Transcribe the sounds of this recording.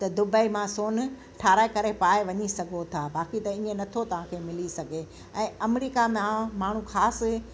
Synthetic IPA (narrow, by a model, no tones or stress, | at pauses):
t̪ɐd̪ʊbəimãsoːn | ʈʰaːɾaːekɐɾepaːeʋɐɲisɐɡʱot̪ʰaːbaːkit̪ɐĩːẽnɐt̪ʰot̪ɐʋ̤ãkʰeːmɪlisɐɡʱe | ɛ̃ːɐmɾiːkamãmaːɳ̤ũxaːsɪ